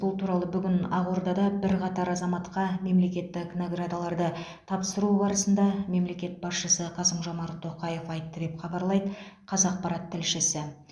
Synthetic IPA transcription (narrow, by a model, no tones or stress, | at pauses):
bʊlˠt̪ʰuɾɑlˠəbʏɡʲɪnɑ̰ʁuɾd̪ɑd̪ɑbɪɾqʰɑt̪ɑɾɑzɑmɑt̪qɑme̞mle̞kʲe̞t̪ːɪkʲnoɡrad̪alˠɑɾd̪ə | t̪ʰɑpsəɾubɑɾəsənd̪ɑme̞mle̞kʲe̞t̪̚bɑsʃəsəqʰɑsəmʒɑmɑɾt̪ʰːo̞qɑje̞fɑjt̪ːəd̪e̞pχɑbɑɾlˠɑjd̪əqʰɑzɑq̚pɑɾɑt̪ʰːɪlʃɪsɪ